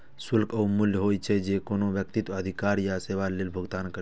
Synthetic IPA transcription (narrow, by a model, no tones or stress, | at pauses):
sʊlkʰəumʊljəɦoːjt͡ʃʰed͡ʒekoːnoʋjək̚t̪it̪ʋəd̪ʱikaːɾjaseʋaleːlbʱʊɡt̪aːnkə